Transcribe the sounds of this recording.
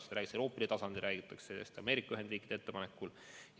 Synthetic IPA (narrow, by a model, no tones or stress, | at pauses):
sɾæːɡi̥selopːˑeɾit̪ɑsɑnd̪̥iɾʔæːɡ̥it̪ːˑɑksejæ̰st̪ɑmeːɾikːˑɑyɦe̞nd̪riːkːˑid̪̥ee̞t̪ːe̞pɑnekːˑul